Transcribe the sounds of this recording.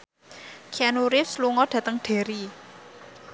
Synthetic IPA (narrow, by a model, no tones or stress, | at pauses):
kʰianuɾɪsluŋɔɖ̥ä̤t̪əŋɖ̥e̤ɾi